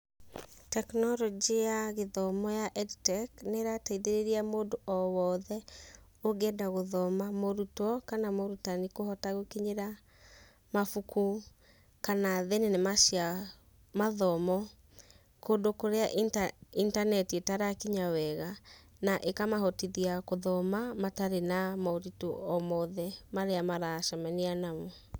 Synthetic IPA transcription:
tɛknɔɾɔd͡ʒijaɣeðɔmɔjaʔɛditɛkneɾataiðeɾeɾiamoːdoʔɔwɔðɛ | oɡɛdaɣoðɔmamoɾutɔkanamoɾutanikohɔtaɣokiɲeɾa | mafuku | kanaðenenemaʃia | maðɔmɔ | kondokoɾeaʔintanɛtietaɾakiɲawɛɣanaʔekamaɦɔtiðiakoðɔmamataɾenamaoɾitoɔmɔðɛmaɾeamaɾaʃamɛnianamwɛ

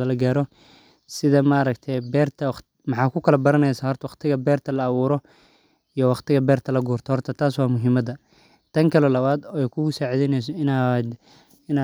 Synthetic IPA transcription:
ɐlɐɡaːɾɔ | sɪðɐmaːɾɐkt̪ʰɛjbɛːrt̪ʰɐ | mɑħɑːkʰʊkʰɐlɐbɐɾɐnɛjsaːhɦɔrt̪ʰɐwɑχt̪ʰɪɣɐbɛːrt̪ʰɐlɐːβuːɾɔ | ijɔwɑχt̪ɪɣɐbɛːrt̪ʰɐlɐɡuːrt̪ʰɔhɔrt̪ʰɐt̪ʰaːswɑːmʊɦɪmɐd̪ɐ | t̪ʰɐŋkʰɐlɔlɐβaːd̪ɔːɛjkʰʊʊsaːʕiðɛnɛs̬ɔɪnːd̪ | ɪnː

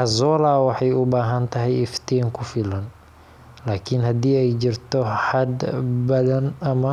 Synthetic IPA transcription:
hɐzɔːlaːwɑħɑjʊbaːɦɐnt̪ʰɐɦɛjɪft̪ʰiːŋkʰʊfɪlɐn | laːkʰɪnhɐd̪iːɛjt͡ʃɪrt̪ʰɔħɐd̪bɐðɐnɐmɐ

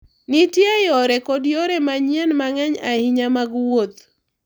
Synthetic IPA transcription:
nitjajɔɾɛkodjɔɾɛmaɲiɛnmaŋɛɲahiɲamaɡwot̪

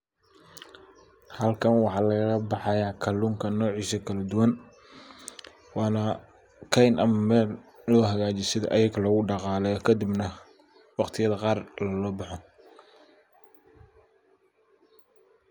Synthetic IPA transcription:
hɐlkʰɐnwɑħɑːlɐɣɐɣɐbɑħɑjaːkʰɐluŋkʰɐnɔːʕiːʃɐkʰɐlɐd̪ʊwɐn | wɑːnɐ | kʰɛjnɐmɐmɛːl | lɔːɦɐɣaːt͡ʃɪsɪðʔɐjɐɣlɐɣʊɖɑqɑːlɛjɔkʰɐd̪ɪbnɐ | wɑqt̪ʰɪjɐðɐqɑːrlɐlɔːbɑħɔ

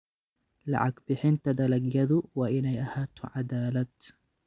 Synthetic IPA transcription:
la̰ʕakbɪħɪnt̪ad̪alaɡjad̪uwaʔɪnajʔahat̪ʕad̪aːlat̪

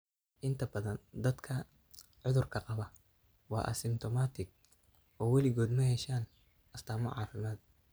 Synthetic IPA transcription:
ʔɪnt̪ʰɐbɐðɐnd̪ɐd̪kʰɐ | ʕʊðʊrkʰɐqɑβɐ | wɑ̰ːʔɐ̰sɪmt̪ʰɔmaːt̪ʰɪɡ̚ | ʔɔːwɛlɪɣɔːd̪mɐhɛʃaːn | ʔɐst̪ʰaːmɔ̰ʕɑ̰ːfɪmaːd̪̚

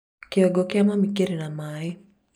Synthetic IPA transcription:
kiɔɡɔkiamamikeɾinamaɛ

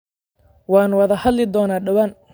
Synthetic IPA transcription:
wɑːnwɑðɐhɐd̪lɪd̪ɔːnaːɖɐwɐn

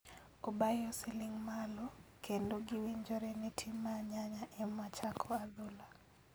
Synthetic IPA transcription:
obajɔsiliŋmalɔkʰendoɡɪwiɲd͡ʒoɾɛnɛtʰimːaɲaɲaʔɛmat͡ʃakʰɔadula

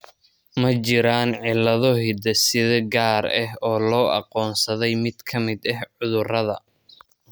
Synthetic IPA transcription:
mɐt͡ʃɪɾaːnʕɪlːɐðɔɦɪd̪ɐsɪðɐɡaːɾɛɦɔːlɔːʔɑ̰qɔːnsɐðɛjmɪd̪kʰɐmɪd̪ɐɦʕʊðʊrɐðɐ

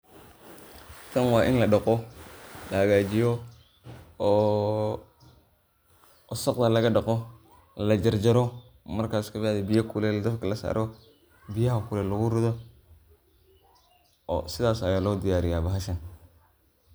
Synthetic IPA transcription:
tɐnwaːʔɪnlɐɗɐqɔdaːɡaːd͡ʒijo | saqd̪alɐɡɐɗɐqo | lɐd͡ʒɐɾd͡ʒɐɾo | mɐɾkaːskɐbjadibijakulɛlɐd̪ɐfkɐlɐsa̰ɾʔo | bijahakulɛlɐɡuɾʊðo | o̰sɪðaːsajaloːd̪ijaːɾɪjabaɦaʃɐn

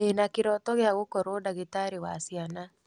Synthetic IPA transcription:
enakeɾɔtɔɣeaɣokɔɾodaɣetaɾewasiana

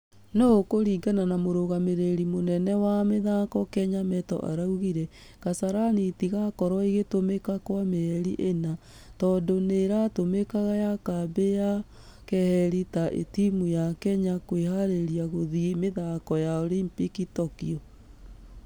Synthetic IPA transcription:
noɣokoɾiːŋɡananamoɾoɣameɾeɾimonɛnɛwameðaːkɔkɛɲamɛtɔ̰ʔa̰ɾauɣiɾɛ | kasaɾanitiɣakɔɾwɔiɣetomekakwameɛɾiʔena | tɔːdoneɾatomekaɣajakabeja | kɛhɛɾitaʔḛtimujakɛɲakwehaɾeɾiaɣoðimeðaːkɔjaɔlimpikitɔkiɔ

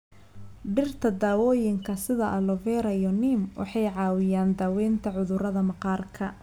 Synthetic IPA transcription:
ɖɪrt̪ʰɐd̪aːwɔːjɪŋkʰɐsɪðɐʔɐlɔvɛːɾɐijɔnimwʔɑ̰ħɑjʕɑːwɪjaːnd̪aːwɛjnt̪ʰɐʕʊðʊɾɐðɐmɑqɑːrkʰɐ

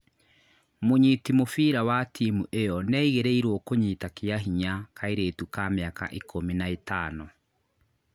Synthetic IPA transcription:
moɲitimofiːɾawatʰiːmuʔejɔnɛiɣeɾeiɾwɔkoɲiːtakeaɦiɲakʰaeɾeːtukameaka̰ʔekʰominaetaːnɔ

